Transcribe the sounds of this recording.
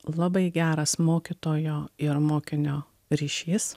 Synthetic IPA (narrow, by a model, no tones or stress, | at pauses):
lˠɐbɐɪɡʲæːɾɐsmoːkʲɪt̪oːjoːɪɾmoːkʲɪnʲoː | ɾʲiːʃʲiːs